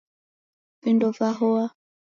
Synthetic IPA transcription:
vindɔvaɦɔa

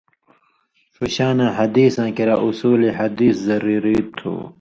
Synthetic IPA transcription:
fuɕaːnãːɦɐd̪iːsãːkiɾaːʔusuːliɦɐd̪iːszɐɾiːɾiːt̪ʰːṵː

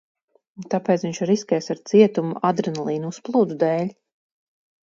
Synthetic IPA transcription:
t̪apɛːt̪sviɲʲʃaɾiskʲɛjsaɾt̪siɛt̪umuʔad̪ɾɛnalˠiːnuusplˠuːd̪ud̪ɛːlʲ

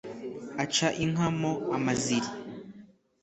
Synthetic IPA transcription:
at͡ʃaʔiŋ̥amoamaziɾi

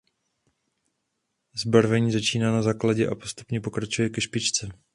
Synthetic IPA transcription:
zbaɾvɛɲiːzat͡ʃiːnaːnazaːklaɟɛʔa̰po̞st̪u̥pɲɛpo̞kɾat͡ʃujɛkɛʃpɪt͡ʃt͡sɛ

